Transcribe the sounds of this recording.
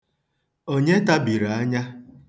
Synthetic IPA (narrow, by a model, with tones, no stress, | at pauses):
o˦ɲe˦ta˦bi˨ɾa˨a˦ɲa˦